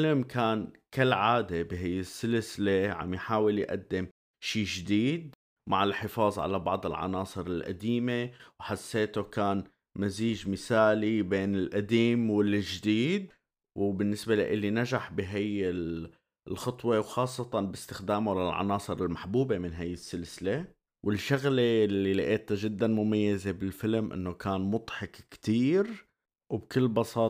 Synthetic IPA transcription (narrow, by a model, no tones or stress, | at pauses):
alamkʰaːnkɪlːʕaːd̪ebɪɦajːɪsːɪlsleʕa̰mjħaːwɪljʔa̰d̪ːɪm | ʃiːʒd̪iːd̪̚ | maʕɪlħɪfɑːzˤʕa̰labɑ̰ʕd̪ˤɪlʕɑ̰nɑːsˤɨɾɪlʔa̰d̪iːmewħasːeːt̪okaːn | maziːʒmɪsaːlibeːnɪlʔad̪iːmwɪlʒd̪iːd̪̚ | wbɪnːɪsbela̰ʔɪlːinaʒaħbɪɦajɪl | lxɑt̪ˤwewxɑːsˤːɑt̪ɑnbɪst̪ɪxd̪aːmolɪlʕɑ̰nɑːsˤɨɾɪlmaħbuːbemɪnɦajːɪsːɪlsɪle | wɪlʃʊɣlelːilɪʔeːt̪aʒɪd̪ːanmʊmajːazebɪlfɪlmʔɪ̰nːokaːnmʊt̪ˤħɑkkt̪iːɾ | wbkɪlːbɑsɑː